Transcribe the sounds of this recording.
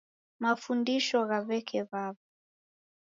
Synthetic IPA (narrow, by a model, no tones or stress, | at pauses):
mafundiʃɔɣaβɛkʰɛβaβa